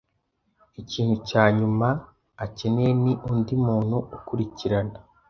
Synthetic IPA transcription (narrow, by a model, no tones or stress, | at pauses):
iciːn̥hucaːɲumaː | ce̞neeniʔundimuːn̥huːkuɾiciɾana